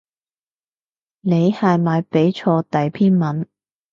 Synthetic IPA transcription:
ne˨˧jhaː˨jmaː˨˧jpe˨˥jt͡ʃʰɔː˧t̪ɐ˨jpʰiː˥nmɐ˨˥n

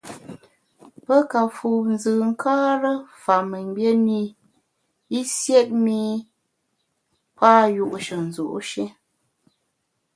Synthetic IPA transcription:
pə˦ka˨fu˨n˦zɨː˨ŋ̩˦kaː˦ɾə˦fa˨me˨ɲbje˦ni˦ | i˦sjɛ˦t̚mi˦ | paː˦ju˦ʔʃə˨n˨zo̰˨ʔʃe˦

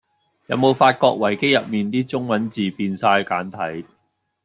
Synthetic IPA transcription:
jɐ˨˧˥wmo˨˧wfaː˧t̚kɔː˧k̚wɐ˨˩jke˥jɐ˨p̚miː˨˩nt̪iː˥t͡sʊ˥ŋmɐ˨˥nt͡siː˨piː˧nsaː˧jkaː˨˥nt̪ʰɐ˨˥j

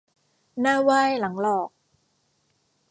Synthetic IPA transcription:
naː˥˩waː˥˩jla˩˦ŋlɔː˨˩k̚

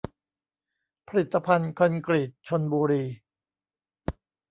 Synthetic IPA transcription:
pʰa˧ɾi˨˩t̪ːa˧pʰa˧nkʰa˧nkɾi˨˩t̪̚t͡ɕʰo˧nbuː˧ɾiː˧

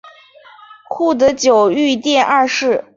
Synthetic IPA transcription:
kʰu˥˩d̪ə˧˥t͡ɕjo˨˩ʊy˥˧t̪jɛ˥˧nʔa˥˧ʂɻ̩˥˩

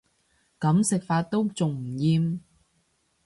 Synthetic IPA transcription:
kɐ˨˥msɪ˨k̚faː˧t̚t̪o˥wt͡sʊ˨ŋm̩˨˩jiː˧m

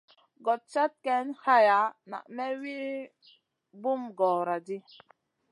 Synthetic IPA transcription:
ɡɔ˨t̚t͡ʃa˦t̚kɛ˨˦nha˦ja˨˦na̰˨ʔmɛ˦wi˦ | bu˦mɡɔ˨ɾa˨di˦

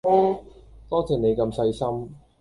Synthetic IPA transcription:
lɛː˥t̪ɔː˥t͡sʰiː˨˩ne˨˧jkɐ˧msɐ˧jsɐ˥m

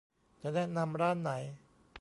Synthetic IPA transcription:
t͡ɕa˨˩nɛ˥˩na˧mɾaː˥˩nːa˩˦j

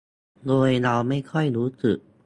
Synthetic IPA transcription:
ɡoː˧jɾa˧wma˥˩jkʰɔ˥˩jɾuː˦˥sɯ˨˩k̚

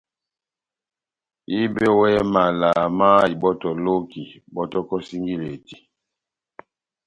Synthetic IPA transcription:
i˦be˦wɛ˦ma˨la˨ma˦i˨bɔ˦tɔ˨lo˦ki˨bɔ˦tɔ˦kɔ˦si˦ŋɡi˦le˨ti˨

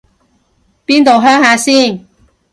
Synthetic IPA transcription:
piː˥nt̪o˨wɦœː˥ŋhaː˧siː˥˩n

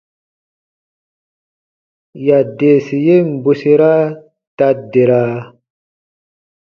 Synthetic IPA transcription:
ja˨de˨si˨je˦m̩˨bu˨se˦ɾa˦ | ta˧de˨ɾa˦

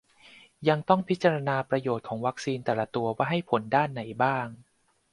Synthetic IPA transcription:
ja˧ŋt̪ɔ˥˩ŋpʰi˦˥t̪̚t͡ɕa˧ɾa˧naː˧pɾa˧joː˨˩t̪̚kʰɔː˩˦ŋwa˦˥k̚siː˧nt̪ɛː˨˩la˨˦t̪u˧ɐwaː˥˩ɦa˥˩jpʰo˩˦ndaː˥˩nːa˩˦jbaː˥˩ŋ

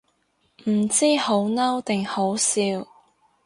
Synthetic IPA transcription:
m̩˨˩t͡siː˥ho˨˥wnɐ˥wt̪ɪ˨ŋho˨˥wsiː˧w

